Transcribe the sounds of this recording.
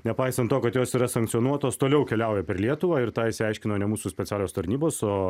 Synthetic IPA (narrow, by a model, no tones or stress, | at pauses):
nʲɛpɐɪsɐnt̪ːoːkɐt̪joːsiːɾɐsɐŋktsʲɪɔnuɔt̪oːst̪oːlʲɛʊkʲɛlʲɛʊjɛpʲɛrlʲiɛt̪ʊʋɑːɪɾt̪ɑːɪʃsʲɪɛɪʃʲkʲɪnoːnʲɛmuːsusʲpʲɛt̪t͡s̪ʲæːlʲoːst̪ɐɾʲnʲiːboːsoː